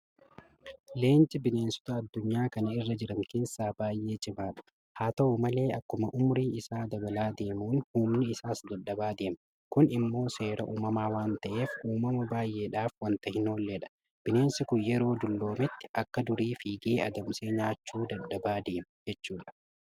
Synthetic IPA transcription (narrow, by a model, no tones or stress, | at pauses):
le̞ːnt͡ʃʼɪbɪne̞ːnsʊ̥t̪ɐɐd̪ːʊɲːaːkɐnɐɪrːɐd͡ʒɪɾɐŋke̞ːsːaːbaːjʔe̞ːt͡ʃʼɪmaːᶑɐ̥ | haːt̪ɐuːmɐle̞ːʔɐkːʊmɐʔʊmʊɾiːɪsaːd̪ɐbɐlaːd̪e̞ːmuːnhuːmnɪɪsaːsd̪ɐɗːɐbaːd̪e̞ːm | kʊnɪmːo̞ːse̞ːɾɐʔuːmɐmaːwaːnt̪ɐʔe̞ːfuːmɐmɐbaːjʔe̞ːᶑaːfwɐnt̪ɐhɪnoːlːeᶑɐ̥ | b̥ɪne̞ːnsɪkʊjɛɾo̞ːd̪ʊlːo̞ːmɛt̪ːɪ̥ʔɐkːɐd̪ʊɾiːfiːɡeːʔɐd̪ɐmseːɲaːt͡ʃːuːd̪ɐdːɐbaːd̪e̞ːmɐd͡ʒɛt͡ʃːuːᶑɐ̥